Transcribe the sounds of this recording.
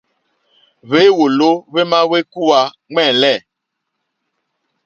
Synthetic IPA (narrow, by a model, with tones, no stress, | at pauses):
βe˨˦wo˨lo˦βe˦ma˦we˦ku˦wa˨˦ | ŋɛ̃˦˨lɛ˦˨